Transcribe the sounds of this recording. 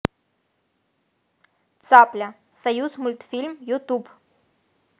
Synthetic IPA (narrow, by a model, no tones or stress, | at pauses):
t̪saplʲɐ | sɐjuzmulʲt̪fʲilʲmjut̪ub